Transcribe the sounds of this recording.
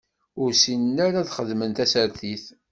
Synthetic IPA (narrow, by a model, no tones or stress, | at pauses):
ʊɾsinnæɾaðχəðmənt̪æsəɾθiθ